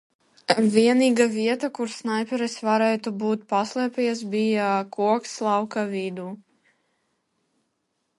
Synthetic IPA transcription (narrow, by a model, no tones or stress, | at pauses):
vʲiɛniːɡaviɛt̪akuɾsnajpʲɛɾɛsvaɾɛːt̪ubuːt̪̚paslˠɛpʲɛjs̬bijakuɔkslˠɑwkavid̪uː